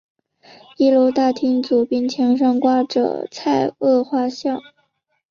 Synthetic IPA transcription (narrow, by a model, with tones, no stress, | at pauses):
i˥˩lo˧ʊt̪a˥˩t̪ʰi˥ŋt͡su˨˩pi˥˩ŋt͡ɕʰjɛ˧˥ŋʂ̬ɑ˥ŋkwa˥ʈ͡ʂɤ̰˨˩t͡sʰa˥˧ɪɤ˥˧xwa˥˧ɕjɑ˥˩ʊ